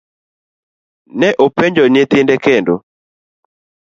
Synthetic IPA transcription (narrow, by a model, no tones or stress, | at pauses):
nɛʔopeɲd͡ʒɔɲet̪ɪndɛkendo̰